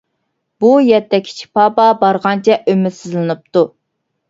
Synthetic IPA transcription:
bujɛt̪ʰːɛkʲʰːi̥t͡ʃʰi̥pʰɑpɑbɑɾʁɑnt͡ʃʰɛʔømɪsɪzlɨnɨp̚t̪u

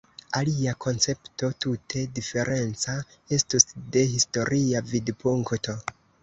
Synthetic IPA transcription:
aliakʰo̞nt͡se̞pto̞tutʰe̞dife̞ɾʔe̞nt͡sae̞stusde̞histo̞ɾʔiavidpuŋkto̞

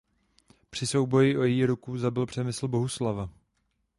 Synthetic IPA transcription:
pr̥ɪso̞wbo̞jɪʔo̞jɛjiːɾukuzabɪlpr̝̥ɛmɪsl̩bo̞ɦuslava

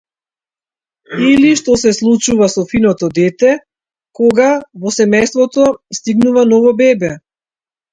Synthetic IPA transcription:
iliʃt̪ɔsɛslˠut͡ʃuvasɔfinɔt̪ɔd̪ɛt̪ɛ | kɔɡavɔsɛmɛjst̪vɔt̪ɔst̪iɡnuvanɔvɔbɛbɛ

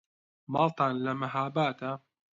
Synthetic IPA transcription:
mɑːlt̪aːnlɐmaɦaːbaːt̪a

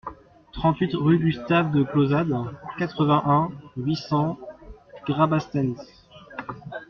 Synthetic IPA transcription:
t̪χɑ̃t̪ɥit̪ʁyd̪yst̪avd̪əklozad̪kat̪χəvɛ̃ʔɛ̃ɥisɑ̃ | ɡʁabast̪ɛns

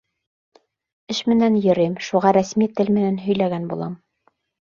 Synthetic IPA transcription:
ɘʃmɘ̆nænjɤ̆ɾɘmʃuʁɑɾæsmit̪ɘlmɘ̆nænɦɵ̆jlæɡænbṵlˠɑm

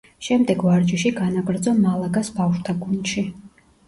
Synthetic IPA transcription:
ʃɛmd̪ɛɡvaɾd͡ʒiʃiɡanaɡɾd̪zɔmalˠaɡasbafʃt̪ʰaɡund̪ʃi

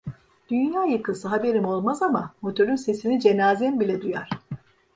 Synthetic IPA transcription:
d̪̥ynjaːjɯkʰɯsɯɦabe̞ɾimo̞lˠmazamamo̞t̪ʰøɾynse̞sinid͡ʒe̞naːzɛmbilʲɛd̪ujaɾ̝̥

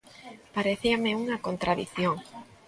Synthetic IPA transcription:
paɾeθiameuŋakont̪ɾʔaðiθjoŋ

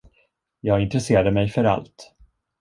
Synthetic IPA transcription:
jɑːɡɪnt̪ɾɛseːɾad̪əmɛjfœɾa̰lt̪

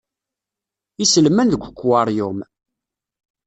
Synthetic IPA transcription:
isəlmænðəɡʷəkʷːwɑɾˤjʊm

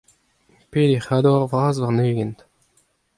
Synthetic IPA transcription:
peːd̪eχad̪oaʁvʁaːzvaʁneːɡɛnt̪

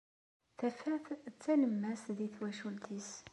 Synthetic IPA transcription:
θæfæθt͡sːænəmːæsðiθwæʃult̪ʰis

